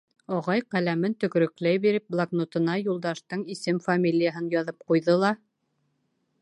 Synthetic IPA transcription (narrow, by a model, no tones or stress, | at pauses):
ɑʁɑjqælæmɘnt̪ɵ̆kɾɵ̆klæjbiɾɘp̚blˠaɡnŏt̪ɤ̆nɑjulˠd̪ɑʃt̪ɤɴisɘmfamʲilʲijəɦɤnjɑðɤp̚qujðɤlˠɑ